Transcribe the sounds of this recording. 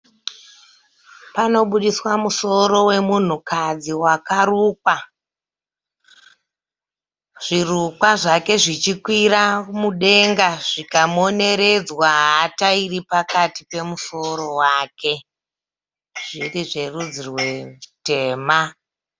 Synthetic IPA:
pano̞ɓuɗiswamuso̞ɾo̞we̞mun̤ukad͡ziwakaɾuːkwa | ʐ̥irukwaʐake̞ʐit͡ʃikwiɾamuɗe̞ŋɡaʐikamo̞ne̞ɾe̞d͡zwaɦatairipakatipe̞muso̞ɾo̞waːke̞ | ʐ̥iriʐe̞rud͡zirwe̞te̞ːma

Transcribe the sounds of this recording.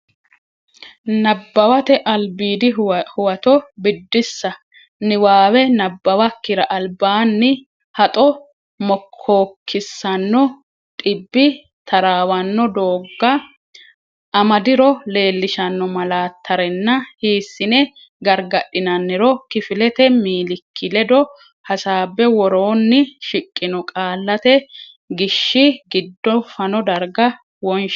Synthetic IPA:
nɐbːɐwɐt̪ɛʔɐlbiːd̪ɪhʊwɐt̪ɔbɪd̪ːɪsːɐ | nɪwaːwɛnɐbːɐwɐkːɪɾɐʔɐlbaːnːɪ | hɐt̪ʼɔ | mɔkʰːoːkʰːɪsːɐnːɔ | t̪ʼɪbːɪ | t̪ʰɐɾaːwɐnːɔd̪oːɡːɐ | ʔɐmɐd̪ɪɾɔle̞ːlːɪʃɐnːɔmɐlaːt̪ʰːɐɾɛnːɐhiːsːɪnɛ | ɡɐɾɡɐɗɪnɐnːɪɾɔkɪfɪlɛt̪ɛmiːlɪkʰːɪlɛd̪ɔ | hɐsaːbːɛwɔɾoːnːɪʃɪkʼːɪnɔkʼaːlːɐt̪ɛ | ɡɪʃːɪɡɪd̪ːɔfɐnɔd̪ɐɾɡɐ | wɔnʃ

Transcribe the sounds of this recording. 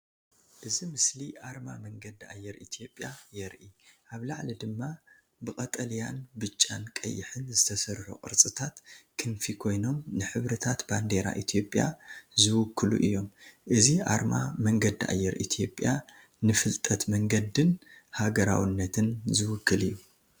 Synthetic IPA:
ʔɨzimɨsliʔaɾmamɐŋɡɐd̪ia̰jːɛɾit̪ʰijo̞pʼːjajɛɾʔiʔaβlaʕlid̪ɨmːa | bɨkʼɐt̪ʼɐljanbɨt͡ʃʼːa̰nkʼɐ̰jːɪħɨnzɨt̪ʰɐsɐɾħo̰kʼɨ̰ɾt͡sʼɨt̪ʰat̪kʰɨnfikʰo̞jno̞mnɨħɨβɾɐt̪ʰat̪band̪e̞ɾa̰ʔit̪ʰio̞pʼja̰zɨwʊkʰːɨlṵʔɨjːo̞mʔɨziʔa̰ɾma̰mɐŋɡɐd̪iʔa̰jːɛɾʔḭt̪ʰijo̞pʼːja | nɨfɨlt̪ʼɐt̪mɐŋɡɐd̪ɨnhaɡɐɾa̰wɨnːɐt̪ʰɨnzɨwʊkʰːɨlɨjːu

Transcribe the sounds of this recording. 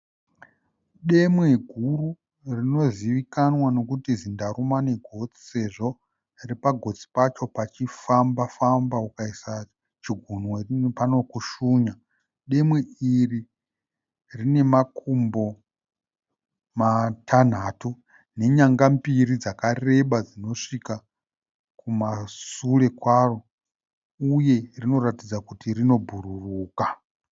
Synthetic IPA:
ɗe̞mwe̞ɡʱuru | rino̞ziʋikanwano̞kutizindaɾumane̞ɡʱo̞t͡si̥se̞ʐo̞ | ripaɡʱo̞t͡si̥pat͡ʃo̞pat͡ʃifambafambaukaisa | t͡ʃiɡʱunweripano̞kuʃuːɲa | ɗe̞mwe̞iri | rine̞makʰumbo̞ | matʰan̤aːtu | ne̞ɲaŋɡambirid͡zakare̞ɓad͡zino̞ʂika | kumasule̞kwaro̞ | uje̞rino̞ɾatid͡zakutirino̞bʱururuːka

